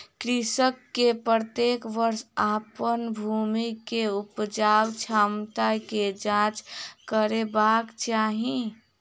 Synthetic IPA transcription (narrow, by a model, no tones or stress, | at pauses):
kɾisəkːepɾət̪ekʋəɾsapənbʱumikeupd͡ʒawt͡ʃʰamt̪aked͡ʒãt͡ʃkəɾebakt͡ʃaːɦi